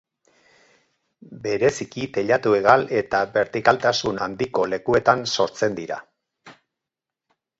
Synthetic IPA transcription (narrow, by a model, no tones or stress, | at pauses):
be̞ɾe̞sikit̪e̞ʎat̪ue̞ɣale̞t̪aβe̞ɾt̪ikalt̪asunand̪iko̞le̞kue̞t̪anso̞ɾt͡se̞nd̪iɾa̰